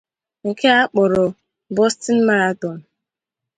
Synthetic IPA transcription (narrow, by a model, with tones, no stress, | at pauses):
ŋ̩˨ke˦a˦k͡pʊ˨ɾʊ˨ | bɔ˦stɪ˦n̩˦ma˦ɾa˦tɔ˨n̩˨